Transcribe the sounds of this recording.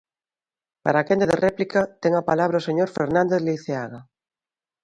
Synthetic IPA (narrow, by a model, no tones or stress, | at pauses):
paɾakend̪eðerʔɛplikat̪eŋapalaβɾaoseɲoɾfeɾnãnd̪eðleθeaɣa